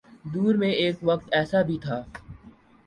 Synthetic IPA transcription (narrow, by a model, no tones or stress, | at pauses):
d̪uːɾmẽeːkʋɐkt̪ɛːsabʱit̪ʰaː